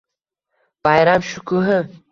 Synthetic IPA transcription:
b̥ajɾamʃukuɦə

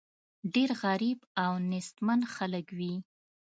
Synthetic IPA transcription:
ɖeɾɣaɾibawnɪst̪manxaləkwi

